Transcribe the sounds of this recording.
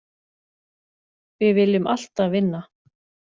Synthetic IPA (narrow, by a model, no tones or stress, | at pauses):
vɪvɪlːɪmal̥t̪avɪnːa